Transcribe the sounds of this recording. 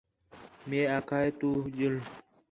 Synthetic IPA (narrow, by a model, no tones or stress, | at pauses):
meːaːkʰaːjt̪uːd͡ʑil